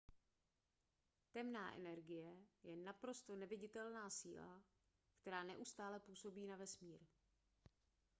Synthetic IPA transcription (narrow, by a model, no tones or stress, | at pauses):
t̪ɛmnaːʔɛ̰nɛɾɡɪjɛjɛnapɾo̞st̪o̞nɛvɪɟɪt̪ɛlnaːsḭːla̰ | kt̪ɛɾaːnɛʔust̪aːlɛpuːso̞biːnavɛsmiːɾ